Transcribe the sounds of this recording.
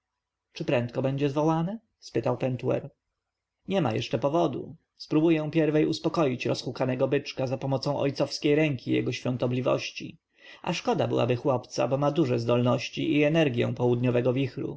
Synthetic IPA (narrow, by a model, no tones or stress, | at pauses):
t͡ʂɘpɾɛnt̪kɔbɛɲd͡ʑɛzvɔwanɛ | spɘt̪awpɛnt̪uɛ̰ɾ | ɲɛma̰jɛʂt͡ʂɛpɔvɔd̪ṵ | spɾubujɛ̃pʲjɛɾvɛjuspɔkɔjit͡ɕɾɔsxukanɛɡɔbɘt͡ʂkazapɔmɔt̪sɔ̃w̃ʔɔ̰jt̪sɔfskʲejɾɛŋkʲʰijɛ̰ɡɔɕfʲjɔ̃nt̪ɔblʲivɔ̰ɕt͡ɕḭ | a̰ʂkɔd̪abɘwa̰bɘxwɔpt̪sa̰bɔmad̪uʐɛzd̪ɔlnɔɕt͡ɕiʔiɛnɛɾɡʲjɛ̰̃w̃pɔwud̪ɲɔvɛɡɔvʲixɾṵ